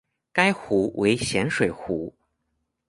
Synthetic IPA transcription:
ka˥ɪxu˧˥wʔe˧˥ɪɕjɛ˧˥nʂwe˨˩ɪxu˧˥

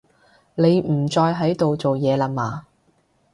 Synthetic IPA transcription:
ne˨˧jm̩˨˩t͡sɔː˧jɦɐ˨˥jt̪o˨wt͡so˨wjɛː˨˧laː˨˧maː˨

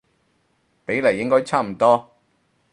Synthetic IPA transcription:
pe˨˥jle˨˩jːɪ˥ŋkɔː˥jt͡sʰaː˥m̩˨˩t̪ɔː˥

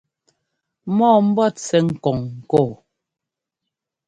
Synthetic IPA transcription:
mɔː˦˨m̩˦bɔ˦˨t͡sɛ˨ŋ̩˨kɔ˨ŋ̩˨koː˦˨

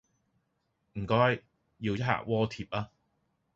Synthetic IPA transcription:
m̩˨˩kɔː˥j | jiː˧wjɐ˥t̚ha̰ː˨k̚wɔː˥t̪ʰiː˨˩p̚aː˧

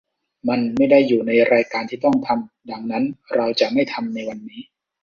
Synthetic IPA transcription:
ma˧nma˥˩jda˥˩jːuː˨˩na˧jɾaː˧jkaː˧nt̪ʰiː˥˩t̪ɔ˥˩ŋt̪ʰa˧m | da˧ŋna˦˥nɾa˧wt͡ɕa˨˩ʔma˥˩jt̪ʰa˧mna˧jwa˧nːiː˦˥

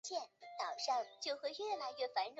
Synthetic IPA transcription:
t͡ɕjɛ˥˩nt̪ɑ˨˩ʊʂɑ˥˧ŋt͡ɕjo˥˧ʊxwe˥˧ɪɥɛ˥˩la˧˥ɪɥɛ˥˩fa˧˥nɻ

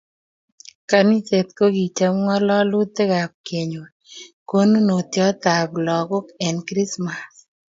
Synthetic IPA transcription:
ka˨ni˦t͡ʃe˨t̪̚ko˦ɡi˨t͡ʃa˦mŋɔ˦lɔ˦lu˦t̪ːe˦ɡa˨p̚ke˨ɲo˨ | ko˦nu˦no˨t̪jɔ˦t̪a˨blɔ˨ɡʊ˦kɛ˨nkɾi˦sma˨s

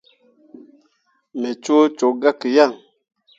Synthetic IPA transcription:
me˨t͡ʃo˦t͡ʃo˨˦ɡa˦ki˨ja˦˨ŋ

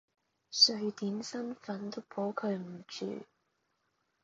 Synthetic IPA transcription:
sɵ˨˧ɥt̪iː˨˥nsɐ˥nfɐ˨˥nt̪o˥wpʰɔː˨˥kʰɵ˨˧ɥm̩˨˩t͡ʃy̰ː˨˩

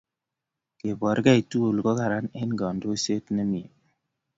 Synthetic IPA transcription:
ke˨bɔ˨ɾka˦i˨tu˦o˨lkɔ˦ka˨ɾa˦ne˦nɡɔ˨ndo˦se˦tnɛ˦mi˨e˨

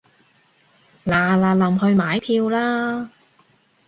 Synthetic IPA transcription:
laː˨˩laː˨˧lɐ˨mhɵ˧ɥmaː˨˥jpʰiː˧wlaː˥

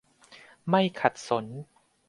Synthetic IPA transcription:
ma˥˩jkʰa˨˩t̪̚so˩˦n

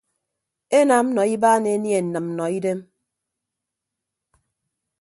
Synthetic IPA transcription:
e˦na˨m̩˦nɔ˨i˦baː˦ne˨e˦nje˨n̩˨nɨ˨mm̩˦nɔ˨i˦de˦m

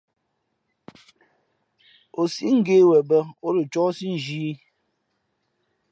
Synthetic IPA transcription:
o˨si˦ŋ̩˦ɡe˦wɛ˨bə˦o˦ɾə˨t͡ʃɔ˦si˦n̩˨d͡ʒiː˦

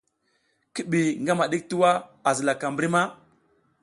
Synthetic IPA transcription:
ki˦ɓi˨ŋɡa˦ma˨ɗi˦k̚tu˦wa˦a˨zə˨la˨ka˨mbɾi˦ma˦

